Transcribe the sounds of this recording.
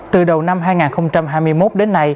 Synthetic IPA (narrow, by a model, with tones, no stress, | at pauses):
tt̪ɨ˨˩ɗə˨˩wna˧mɦaː˧jŋaː˨˩nxə˧wŋ͡mt͡ɕa˧mɦaː˧jmɨ˧əjmo˦˥t̚ɗe˨˦nːa˧j